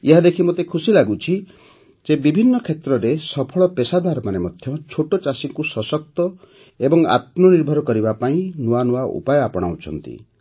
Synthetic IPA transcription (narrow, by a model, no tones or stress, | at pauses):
eɦad̪ekʰimot̪ekʰusilaɡut͡ʃʰi | d͡ʒebibʱinːɔkʰet̪ɾɔɾesɔpʰɔɭɔpesad̪aɾɔmanemɔd̪ʱjɔt͡ʃʰoʈot͡ʃasiŋkusɔsɔk̚t̪ɔ | ebɔŋa̰t̪̚mɔniɾbʱɔɾɔkɔɾibapaĩnuanuwaʔṵpajɔapɔɽ̃a̰wt͡ʃʰɔ̰n̪t̪ḭ